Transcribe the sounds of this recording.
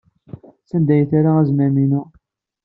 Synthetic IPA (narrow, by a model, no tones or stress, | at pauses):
θænd̪æjəθaɾaæzmæminʊ